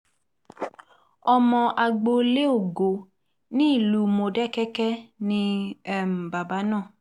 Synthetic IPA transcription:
ɔ˧mɔ̃˧ʔa˨ɡ͡bo˧le˦o˦˨ɡo˨ | nĩ˦i˦˨lu˨˦mo˧dɛ˦kɛ˦kɛ˦nĩ˧ɛ˦m̩˨ba˨ba˨˦nãː˦˨

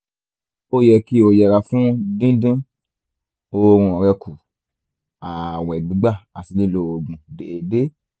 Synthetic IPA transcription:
o˦jɛ˧˨ki˦o˧jɛ˨ɾa˧fũ˦dĩ˦dĩ˦ | o˧ɾ̃ũ˧ɔ˨ɾɛ˧kʰu˨ | a˨wɛ˨ɡ͡bĩ˨˦ɡ͡ba˦˨a˨si˨˧le˦lo˧˨o˨ɡ͡bũ˨deː˨de˦

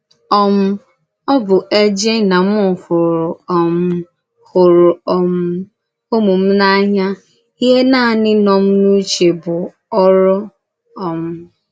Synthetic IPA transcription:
ɔ˦mʊ˦ | ɔ˦bʊ˨ʔe˦d͡ʒe˦na˨mʊ˦˨hʊ˨ɾʊ˨m˦ | hʊ˨ɾʊ˨ɔ˨m̩˦ | o˦mu˨m̩˦na˦ɲa˦ | i˦ɦe˦naː˦˨nɪ˦nɔ˨m̩˦nu˦t͡ʃe˨bʊ˨ | ɔ˦ɾɔ˦ | ɔ˨mʊ˦

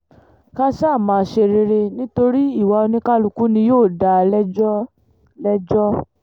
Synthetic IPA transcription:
ka˦ʃa˦˨mãː˨˧ʃe˧ɾe˧ɾe˧nĩ˦to˧ɾi˦i˦˨wa˨˧o˧nĩ˦ka˦lu˧ku˦nĩ˧joː˦˨da˨˧lɛ˦ɔ˦ | lɛ˦d͡ʒɔ˦

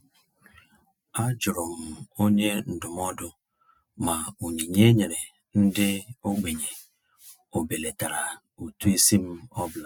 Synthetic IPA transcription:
a˦d͡ʒʊ˨ɾʊ˨m̩˨o˦ɲe˦n̩˨dʊ˨m˦ɔ˦dʊ˦ | ma˨u˨ɲi˨ɲe˦ɲe˨ɾe˨ | n̩˦dɪ˦o˦ɡ͡be˨ɲe˨ | o˨be˨le˨ta˨ɾa˨ | u˨tu˦e˦si˦m̩˦ɔ˦bla˦˨

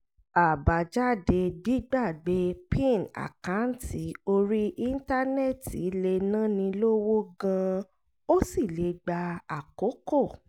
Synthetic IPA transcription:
a˨ba˨d͡ʒa˦de˧di˦ɡ͡ba˦˨ɡ͡be˧pĩ˦˨na̰˨kã˨˦n̩˦ti˨˦o˧ɾi˦ʔi˦n̩˦ta˦nɛ˦˨tḭ˨˦le˧nã˦nĩ˧lo˦wo˦ɡã˧ | o˦si˦˨le˨˦ɡ͡ba˧a˨ko˨˦ko˦˨

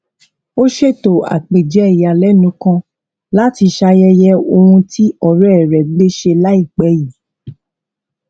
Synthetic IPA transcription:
o˦ʃe˦˨to˨a̰˨k͡pe˨d͡ʒɛ˨˦˨ja˨lɛ˦nũ˨˦kã˧ | la˦ti˧ʃa˧jɛ˧jɛ˧o˧hũ˧tʰi˦ɔ˦˨ɾɛ˨ɾɛ˨˦e˦ʃe˧la˦i˦˨k͡pɛ˨˦ji˨˦

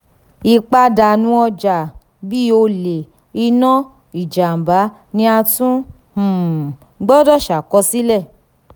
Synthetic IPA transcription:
i˧k͡pa˧da˨nũ˨˦ɔ˧d͡ʒa˨ | bi˦o˧le˨ | i˧nɔ̃˦ | i˨d͡ʒa˨m˨ba˨˦ | nĩ˧˦a˧tũ˦ | h̩˨ | ɡ͡bɔ˦dɔ˦˨ʃa˨kɔ˧si˦lɛ˦˨

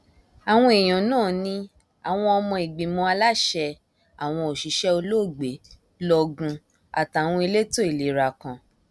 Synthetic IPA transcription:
a˨w̃ɔ̃˧e˨j̃ɔ̃˨˦nãː˦˨nĩ˧ | a˨w̃ɔ̃˧ɔ˧mɔ̃˧i˨ɡ͡bĩ˨mɔ̃˧a˧la˦ʃɛ˧ | a˨w̃ɔ̃˧o˨ʃi˨˦ʃɛ˦o˧lo˦˨ɡ͡be˨˦ | lɔ˧ɡũ˧ | a̰˨ta˨w̃ɔ̃˧i˧le˦to˦i˨le˨˦ɾa˨kã˨

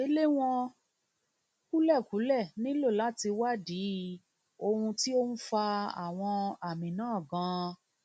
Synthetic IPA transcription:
e˦le˦w̃ɔ̃˧ | ku˦lɛ˦˨ku˨˦lɛ˦˨nĩ˦lo˦˨la˨˦ti˧wa˦di˨˦ | o˧hũ˧ti˦o˦n̩˦fa˧a̰˨w̃ɔ̃˧a˨mĩ˨nãː˦˨ɡã˨˧

